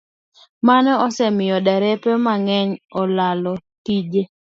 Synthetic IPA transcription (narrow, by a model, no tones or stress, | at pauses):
manɔɔsɛmɪjɔdaɾɛpemaŋɛɲɔlalɔtid͡ʒe